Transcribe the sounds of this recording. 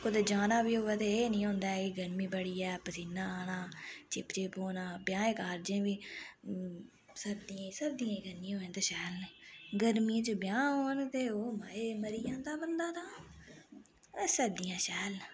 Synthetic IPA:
kʊd̪eːd͡ʒaːnaːbiːɦoːʋɛːt̪eːnĩːɦõːnd̪aːkiɡəɾmiːbəɽiːɛːpəsinãːaːnaːt͡ʃɪpt͡ʃeːpoːnãːbjãːẽːkaːɾd͡ʒẽːʋiː | səɾd̪ijãːsəɾd̪ijãːiɡənːĩːɦoːẽːt̪eːʃɛːlneːɡəɾmĩːt͡ʃʊbjãːɦoːnt̪eːoːmaːeːməɾiːãːd̪aːbənd̪aːt̪aː | səɾd̪ijãːʃɛːlː

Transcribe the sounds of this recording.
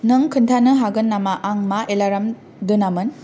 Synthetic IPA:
nɯŋkʰɯntʰanɯɦaɡɯnːamaʔaŋmaʔelaɾam | dɯnamɯn

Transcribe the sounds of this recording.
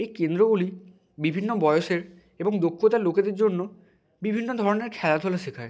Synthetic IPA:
ejkend̪ɾoɡuli | bibʱinːobɔjoʃeɾ | eboŋd̪okʰːot̪aɾloked̪eɾd͡ʑonːo | bibʱinːod̪ʱɔɾoneɾkʰɛlad̪ʱolaʃikʰae

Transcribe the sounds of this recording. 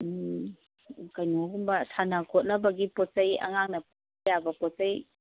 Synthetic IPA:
kajnoɡumbɐtʰanakʰɔt̚lɐbɐɡipɔt̚sajɐ̰ŋaŋnɐp | jabɐpɔt̚saj

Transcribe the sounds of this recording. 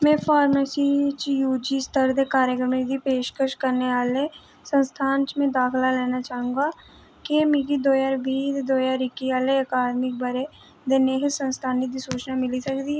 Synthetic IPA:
mɛ̃ːfaːɾmesit͡ʃjuːd͡ʒist̪ʰəɾd̪ekaːɾjəkɾəmed̪ipeːʃkəʃkɐɾneaːle | sə̃nst̪ʰãːnt͡ʃmẽd̪aːkʰlaleːnat͡ʃaːɦũŋɡa | kemiɡid̪oːjaɾbʱid̪oːjaːɾɪkːiaːleɐkaːd̪mɪk̚bɐɾe | d̪eːneɦesə̃nst̪ʰaːnɪd̪isuːt͡ʃnamɪlisɐkd̪iɛ

